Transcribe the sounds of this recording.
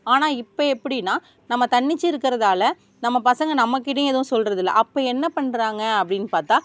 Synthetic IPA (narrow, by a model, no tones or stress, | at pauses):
aːnaːɪpːoɛpːɐɽɪnːaː | nɐmːɐt̪ɐɳːɪt͡ʃːɪɪɾɯkːɪɾɐðaːlɐ | nɐmːɐpɐsɐŋɡɐnɐmːɐkːɪʈːɐjɛðɐʋʊ̃sɔlɾɐðɪlːɐ̰ʔɐpːoɛnːɐpɐɳːɾaːŋɡɐɐpːɐɽɪnːɯpaːɾt̪aː